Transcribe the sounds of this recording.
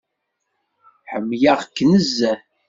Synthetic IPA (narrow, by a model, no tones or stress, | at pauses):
ħəmːjaʁkːnəzːæ